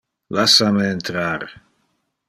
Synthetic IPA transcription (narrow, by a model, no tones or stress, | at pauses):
lasameːnt̪ɾaɾ